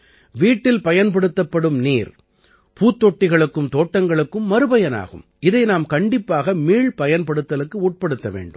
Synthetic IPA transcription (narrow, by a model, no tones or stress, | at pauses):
ʋiːʈːɪlpɐjɐnpɐɽɯt̪ːɐpːɐɽɯmniːɾ | puːt̪ːɔʈːɪɣɐɭɯkːɯmt̪oːʈːɐŋɡɐɭɯkːɯmːɐɾɯbɐjɐna̰ːɣɯ̰m | ɪðɐɪnaːmkɐɳɖɪpːaːɣɐmiːɭpɐjɐnpɐɽɯt̪ːɐlɯkːɯuːʈ̚pɐɽɯt̪ːɐʋḛːɳɖɯm